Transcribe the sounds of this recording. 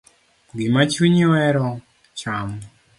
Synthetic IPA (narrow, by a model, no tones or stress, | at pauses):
ɡimat͡ʃuɲiwɛɾɔ | t͡ʃamu